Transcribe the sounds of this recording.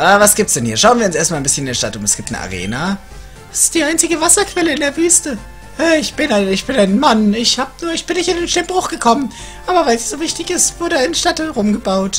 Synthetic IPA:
ʔaːvasɡ̥iːp̚tsd̥ɛnhiːɐʃaʊnviːɐʊnseːɐstmalnmbɪsçənɪndeːɐtatʊmɛsɡ̥iːp̚tnə̰ʔa̰ʁ̞ḛːna | vḁsɪ̥std̥iːʔaɪnt͡sɪɡəvasɐkv̥ɛləɪndeːɐvyːstə | ʔɛːɪçb̥ɪnaɪnɪçb̥ɪnaɪnmanɪçhaːbənuːɐɪçb̥ɪnːɪçtɪndeːnʃtɪmb̥ʁʊχɡ̥əkʰɔmən | ʔaːbɐvaɪlsiz̥oːvɪçtɪçɪstv̥ʊɐɾəaɪnʃtatʁʊmɡəbaʊt

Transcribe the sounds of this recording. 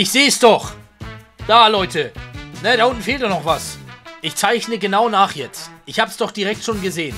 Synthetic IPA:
ʔɪçz̥eːəsd̥ɔχ | d̥aːlɔʏtənəɾaːʔʊntn̩feːltdɔχnɔχv̥asʔɪçt͡saɪçnəɡənaʊnaːχjɛt͡stʔɪçhaːbəsd̥ɔχd̥iʁɛk̚tʃoːnɡəzeːən

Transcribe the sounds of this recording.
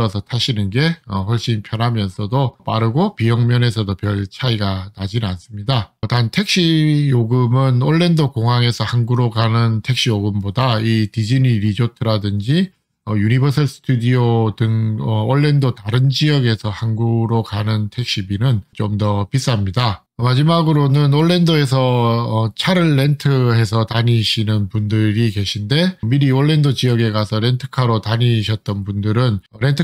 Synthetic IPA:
ʌsʰʌtʰaɕʰinɯnɡe̞ʌɸwʌɭɕ͈inpʰjʌnɦamjʌnsʰʌdop͈aɾɯɡopijʌŋmjʌne̞sʰʌdopjʌɭt͡ɕʰaiɡanad͡ʑinans͈ɯmɲidatantʰe̞k̚ɕ͈ʰijoɡɯmɯnoɭːe̞ndokoŋɦaŋe̞sʰʌhanɡuɾokanɯntʰe̞k̚ɕ͈ʰijoɡɯmbodaitid͡ʑiniɾid͡ʑotʰɯɾadɯnd͡ʑi | ʌjunibʌsʰʌɭs͈ʰɯ̥tʰudiodɯŋʌoɭːe̞ndotaɾɯnd͡ʑijʌɡe̞sʰʌhanɡuɡɾokanɯntʰe̞k̚ɕ͈ibinɯnt͡ɕomdʌpis͈amɲida | mad͡ʑimaɡɯɾonɯnoɭːe̞ndoe̞sʰʌʌt͡ɕʰaɾɯɭːe̞ntʰɯɦe̞s̬ʰʌtaɲiɕʰinɯnpundɯɾike̞ɕʰinde̞miɾioɭːe̞ndot͡ɕijʌɡe̞kasʰʌɾe̞ntʰɯ̥kʰaɾotaɲiɕʰʌt̚t͈ʌnpundɯɾɯnɾe̞ntʰɯ

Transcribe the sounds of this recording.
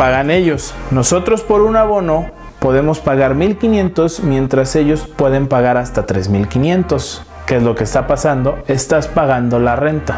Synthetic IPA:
paɣane̞ʝo̞sno̞so̞t̪ɾo̞spo̞ɾunaβo̞no̞ | po̞ðe̞mo̞spaɣaɾmilkinjẽ̞nt̪o̞smje̞nt̪ɾase̞ʝo̞spwe̞ðe̞mpaɣaɾast̪at̪ɾe̞̰zmilkinjẽ̞nt̪o̞s | keezlo̞kest̪apasand̪o̞e̞st̪aspaɣand̪o̞lare̞nt̪a

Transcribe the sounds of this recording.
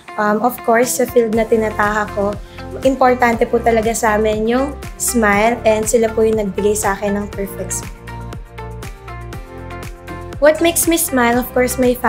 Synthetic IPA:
ʔɐmɔfkoɹsːɐfild̪nɐt̪ɪnɐt̪aːhɐko | ʔɪmpoɹt̪ant̪ɛput̪ɐlɐɡasaːmɛnjʊŋsmajlɛnd̪sɪlapujʊŋnɐɡ̚bɪɡajsɐʔaːkɛnːɐŋpɛɹfɛks | wɔt̪̚mejksmismajlɔfkɔɹsmɐjfa

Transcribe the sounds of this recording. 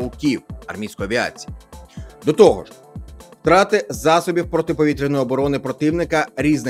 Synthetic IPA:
ʊkʲiwɐ̰rmʲijsʲkɔjɔɐʋʲia̰t͡sʲijid̪ɔt̪ɔɦɔ̰ʒ | wt̪ɾɑt̪ɪzɑsɔbʲiwpɾɔt̪ɪpɔʋʲit̪ɾʲɪnɔjɔbɔɾɔnɪpɾɔt̪ɪwnɪkɐɾʲiznɪ

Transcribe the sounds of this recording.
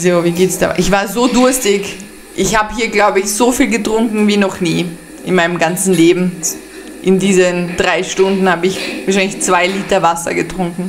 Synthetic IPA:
zoviːɡeːtsd̥a̰ːʔɪçv̥aːɐzoːdʊɐstɪç | ʔɪçhaːbəɦiːɐɡlaʊbəɪçz̥ofiːlɡətʁ̥ʊŋkŋ̩viːnɔχniː | ʔɪnmaɪnəmɡant͡sn̩leːbm̩ | ʔɪndiːzənd̥ʁaɪʃtʊndn̩haːbəɪçvaːɐʃ̬aɪnlɪçt͡sv̥aɪliːtɐvasɐ̰ɡətʁ̥ʊŋkŋ̩

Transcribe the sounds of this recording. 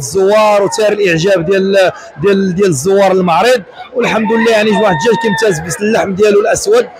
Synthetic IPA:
zˤːʊwːɑɾˤwt̪iɾəlʔəʕʒæbd̪æl | d̪jæld̪jæləzˤːʊwːɑɾˤəlmɑʕɾˤid̪̚ˤwəlħamd̪əlːæjaʕniʒwaħəd̪ʒælkænmt̪æzbəsəlːaħmd̪jælulʔæswəd̪

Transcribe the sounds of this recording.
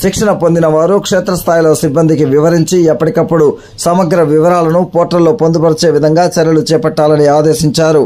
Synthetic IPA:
ʃikʂɐnɐpo̞nd̪inɐʋaːɾukʂɛːt̪ɾɐst̪ʰaːjlo̞ːsibːɐnd̪ʱikiʋiʋɐɾiɲt͡ʃiɛpːɐʈikɐpːuɽu | sɐmɐɡɾɐʋiʋɐɾaːlɐnupoːʈɐlːo̞ːpond̪upɐɾit͡ʃeːʋid̪ʱɐŋɡaːt͡ʃɐɾɐlut͡ʃɛːpɐʈːaːlɐniaːd̪eːʃiɲt͡ʃaːɾu

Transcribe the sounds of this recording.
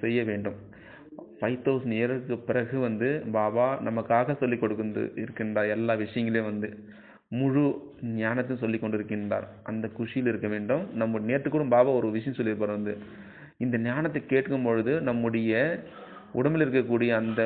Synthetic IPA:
sɛjːɐʋeːɳɖɯm | fɐɪt̪ːoːsneːɐɾɐkːɯpːɪɾɐɣɯʋɐnd̪ɯbaːbaːnɐmɐkːaːɣɐsɔlːɪkːɔɽɯkːɯnd̪ɯ̰ɪɾɯkːɪndraːɾɛlːaːʋɪʂɐjɐŋɡɐljʋɐnd̪ɯ | mʊɻunɪjaːnɐt̪ːɐjʊ̃sɔlːɪkːɔɳɖɯɪɾɯkːɪndra̰ːɾʔɐnd̪ɐkʊʂɪjɪlɪɾɯkːɐʋeːɳɖɯmnɐmːɐɽneːʈːɯkːɯɽɯmbaːbaːɔɾɯʋɪʂɐjɐ̃msɔlːɪɾɯpːaːɾʋɐnd̪ɯ | ɪnd̪ɐnjaːnɐt̪ːɐkːeːʈkɯmpɔɻɯðɯnɐmːɯɽɐjɐ | ʊɽɐmɪlɪɾɯkːɐkːuːɽɪjɐːnd̪ɐ

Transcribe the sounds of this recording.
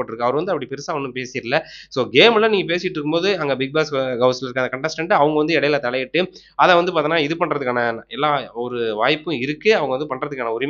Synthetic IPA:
oːʈːɪɾɯkːɯɐʋɐɾɯʋɐnd̪ɯɐpːɐɽipɛɾɯsaːʋɐnːɯ̃mpeːsiːɾlɐsoːɡeːmlɐniːŋɡɐp̬eːsɪɪʈːɪɾɯkːɯmboːðɯɐŋɡɐbɪɡ̚baːsɡɐʊslɪɾɯkːaːɐkɐɳʈɛsʈɐɳɖɯɐʋɐŋɡɐʋɐnd̪ɯɛɽɐjɪlaːt̪ɐlɐjɪʈːɯ | ɐðɐʋɐnd̪ɯp̬aːt̪inːaːɪðɯpɐɳɾɐðɯkːaːnɐɛlːaːɔɾɯʋaːjpːɯ̃ɪɾɯkːɯɐʋɐŋɡɐʋɐnd̪ɯpɐɳɾɐðɯkːaːnɐʊɾɪm

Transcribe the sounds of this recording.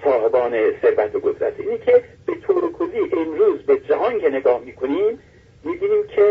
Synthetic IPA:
sɒːɦebɒːneseɾvæt̪ʰoɡozɾæ̰t̪siːniːcʰeb̥e̞t̪ʰoːɾekʰoziːʔenɾuːzbed͡ʒæɦɒŋkʰeneɡɒːhmiːkʰoniːmː | iːbiːniːmcʰe

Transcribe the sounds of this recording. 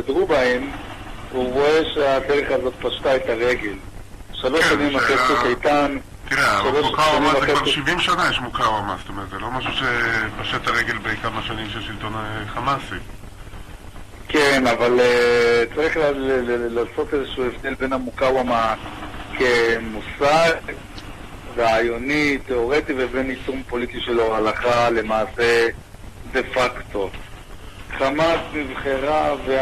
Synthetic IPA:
kadʁubahem | uʁo̞eʃeadeʁeχazo̞t̪̚paʃt̪aet̪aʁe̞ɡe̞lʃalo̞ʃːanimakesefajt̪an | tiʁeaʃaloʃkaaniakealʃivimʃanajeʃmukawama̰st̪omeʁet̪zelo̞maʃuʃepaʃet̪aʁeɡelbejkamaʃanimʃelʃilt̪o̞neχamasi | kenavalet͡saʁiχllaːso̞t̪ezeʃuːevd̪e̞lbe̞namukawamakemusaɡ | ʁaajo̞nit̪eo̞ʁet̪ivebe̞nitumpo̞lit̪iʃeloalaχale̞maːse̞ | d̪e̞fakt̪o̞ | χamasmivχeʁave

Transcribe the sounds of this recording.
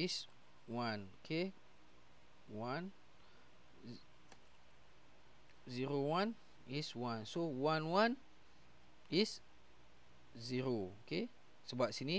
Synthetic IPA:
is | wanokʰe | wan | ziɾowãn | iswãnsowanwan | is | ziɾooke | səbap̚sini

